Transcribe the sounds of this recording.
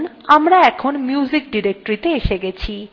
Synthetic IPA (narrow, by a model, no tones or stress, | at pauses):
n | amɾaɛkʰonmjuzik̚ɖiɾek̚ʈoɾit̪eeʃeɡɛt͡ɕʰi